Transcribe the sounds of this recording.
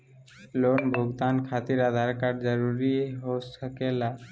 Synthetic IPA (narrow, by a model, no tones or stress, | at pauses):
lonbʱoɡt̪ankʰat̪iɾad̪ʱaɾkaɖd͡ʒɔɾuɾiɦosʰakela